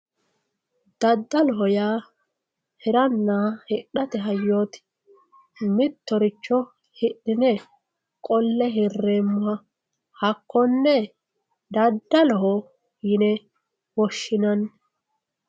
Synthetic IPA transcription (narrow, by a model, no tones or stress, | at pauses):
d̪̥ɐd̪ːɐlɔɦɔjaː | hɛɾɐnːaːhɛɗɐt̪ɛɦɐjːo̞ːt̪ | mɪt̪ːɔɾɪt͡ʃːɔ | hɪɗːɪnɛ | kʼɔlːɛɦɪrːeːmːʊhɐ | hɐkːɔnːɛ | d̪ɐd̪ːɐlɔɦɔ | jɪnɛ | wɔʃːɪnɐn